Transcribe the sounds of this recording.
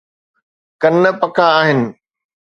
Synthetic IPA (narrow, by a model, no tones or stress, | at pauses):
kɐnəpɐkʰaːɦɪnɪ̆